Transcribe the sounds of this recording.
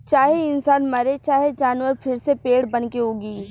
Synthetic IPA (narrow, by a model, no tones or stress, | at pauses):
t͡ʃaːɦeɪnsaːnmɐɾet͡ʃaːɦed͡ʒaːnʋəɾpʰɪɾsepeːɽbɐnkeɦoːɡiː